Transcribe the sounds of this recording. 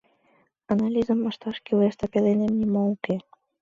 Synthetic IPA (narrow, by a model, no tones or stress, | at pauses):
analʲizəməʃt̪ɑʃkiwest̪əpelenemnʲimolˠke